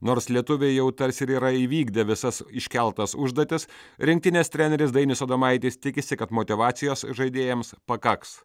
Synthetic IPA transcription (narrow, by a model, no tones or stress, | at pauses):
noːɾslʲiɛt̪ʊʋʲejɛʊt̪ɐɾʲsɪɾiːɾɐiʋʲiːɡd̪ʲɛʋʲɪsɐsɪʃʲkʲɛlˠt̪ɐsʊʒd̪ɐːt̪ʲɪsɾʲɪŋkt̪ʲɪnʲeːst̪ʲɾʲæːnʲɛɾʲɪsd̪ɐɪnʲɪsoːd̪ɐmɐɪt̪ʲiːst̪ʲɪkʲɪsʲɪkɐt̪moːt̪ʲɪʋɑːt̪sʲɪjoːsʒɐɪd̪ʲeːjɛmspɐkɐks